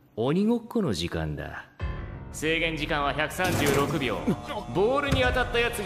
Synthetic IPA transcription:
oɲ̟iɡo̞kːono̞ʑikã̰nd̪a̰ | se̞ːɡẽ̞ɲ̟d͡ʑikãɰ̃β̞açakɯ̟̥sãɲd͡ʑɨːɾo̞kɯ̟bʲjo̞̰ːbo̞ːɾɯ̟ɲ̟iat̪at̪ːajat͡sɨ

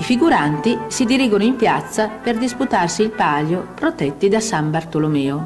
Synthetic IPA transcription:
ifiɡuɾant̪isid̪iɾiːɡonoimpjat̪sːaperd̪isput̪arsiːlpaːljopɾot̪ɛt̪ːid̪asambart̪olomɛːo

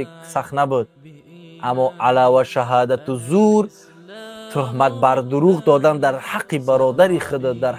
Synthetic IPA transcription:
iksaχnabud̪̚ | ʔamːɔʔalawaʃaɦad̪at̪ʰuzuɾ | t̪ʰuɦmat̪̚baɾd̪uɾuʁd̪ɔd̪and̪aɾhaqʰːibaɾɔd̪aɾiχəd̪əd̪aɾ

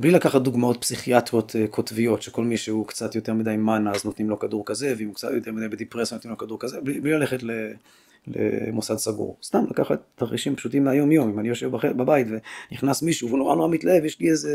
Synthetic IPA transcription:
blilakaχat̚d̪uɡmao̞t̚psiχiat̪ʁotkʰotvio̞tʃeko̞lmiʃeukt͡satjoteʁmidajmanaaznot̪nimlo̞kaduʁkaze̞veimukt͡satjot̪eʁmid̪ajbed̪ipʁesanotnimlokaduʁkazebliblilaleχetle | lḛmusadsaɡṵʁst̪amlakaχatːaχiʃimpʃutimleajo̞mjo̞mimanijo̞ʃevbaχebabajitveniχnasmiʃuvunoʁa̰noʁamitlaevjeʃlieze

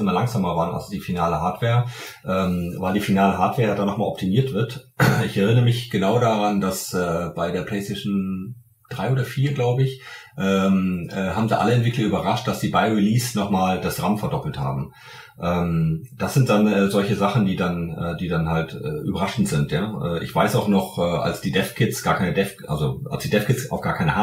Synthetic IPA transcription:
ʔɪmɐlaŋz̥aːmɐvaːʁnʔa̰sd̥iːfinaːləɦaɐtv̥eːɐ | ʔɛːmvaɪldiːfinaːləɦaːɐtv̥eːɐjadanːɔχmaːlʔɔp̚tʰimiːɐtv̥ɪɐtɪçɛʁɪnəʁəmɪçɡ̥ənaʊdaʁandasʔɛːb̥aɪdeːɐpl̥ɛɪstʰɛɪʃn̩ | d̥ʁaɪʔoːdɐfiːɐɡlaʊbəɪç | ʔɛːmɛːhaːbm̩daʔa̰ləɛntv̥ɪklɐyːbɐʁaʃt̚d̥asz̥iːbaɪʁiliːsnɔχmaːld̥asʁamfɛɐdɔpl̩tha̰ːbm̩ | ʔɛːmd̥asz̥ɪnt̚d̥anɛːzɔlçəzaχn̩diːdanʔɛːd̥iːdanhaltɛ̰ːʔy̰ːbɐʁaʃn̩tz̥ɪntjaːʔɛːʔɪ̰çv̥aɪsaʊxnɔχʔɛːʔa̰lsd̥iːdɛfkʰɪtsɡ̥aːɐkʰaɪnədɛfʔa̰lzoʔa̰lsd̥iːdɛfkʰɪsaʊfɡ̥aːɐkʰaɪnəha

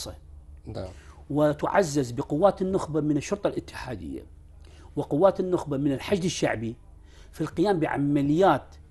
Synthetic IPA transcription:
sˤɑ | wɪt̪ʕa̰zːɪzbɪqʊwːaːt̪ɪnːʊxbamɪnɪʃːʊɾt̪ˤɑlʔɪt̪ːɪ̥ħaːd̪ɪ̰jːa̰ | wɪqʊwːaːt̪ɪnːʊxbamɪnɪlħad͡ʒd̪ɪʃːa̰ʕbi | filqɪjaːmbɪʕa̰malɪjːaːt̪

